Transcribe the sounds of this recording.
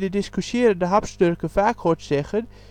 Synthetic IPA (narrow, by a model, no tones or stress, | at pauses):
dədɪskysjɪːɾəndəɦɑpstørkəfaːkhɔtsɛxən